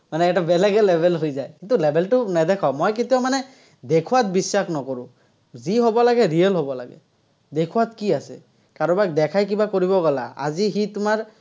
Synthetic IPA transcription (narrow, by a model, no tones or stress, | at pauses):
manɛːtabɛlɛɡɛlɛbʱɛlɦojzajkint̪ulɛbʱɛltʊnɛd̪ɛkʰamojk̬et̪ijamanɛ | d̪ekʰuwat̪̚bisːakʰnɔkɔɹʊ̃ | ziɦobɔlaɡɛɹijəlɦɔbɔla̰ɡɛ̰ | d̪ekʰuwat̪̚kiasɛ̰ | kaɹɔbak̚d̪ɛkʰajk̬ibakoɹibɔɡɔla̰a̰zixitʊmaɹ